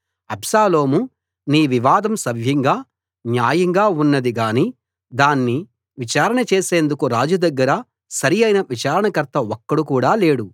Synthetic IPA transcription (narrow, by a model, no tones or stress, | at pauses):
ɐbsaːloːmu | niːʋiʋaːd̪ɐmsɐbʱjɐŋɡaː | njaːjɐŋɡaːunːɐd̪iɡaːniː | d̪aːnːi | ʋit͡ʃaːɾɐɳɐt͡ʃeːseːnd̪ukuɾaːd͡ʒud̪ɐɡːɐɾɐ | sɐɾijɐjnɐʋit͡ʃaːɾɐɳɐkɐɾt̪ʰɐɔkːɐɽukuːɽaːle̞ːɽu